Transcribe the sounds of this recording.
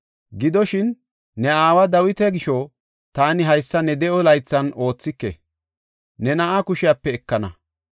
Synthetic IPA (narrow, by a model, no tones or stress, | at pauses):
ɡɪd̪ɔʃɪnː | ɛaːwɐd̪ɐwɪt̪ɛɡɪʃɔ | t̪aːnɪɦɐjsːɐnɛd̪ɛʔɔlɐjt͡sːɐno̞ːt͡sːɪkːɛ̰ | nɛnɐʔakʊʃɪjaːpːɛːkːɐnɐ̰